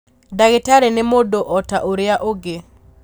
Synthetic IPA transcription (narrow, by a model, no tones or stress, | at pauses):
daɡɪtaɾɛnɛmodoʔɔtaʔoɾɪaʔoɡe